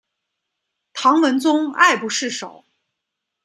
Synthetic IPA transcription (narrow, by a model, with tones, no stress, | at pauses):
t̪ʰɑ˧˥ŋwə˧˥nt͡sʊ˥ŋa̰˥˩ɪpu˧˥ʂɻ̩˥˩ʂo˨˩˦ʊ